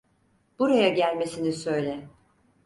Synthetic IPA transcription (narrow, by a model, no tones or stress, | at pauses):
b̥uɾajaɟælʲme̞sinisø̞jlʲɛ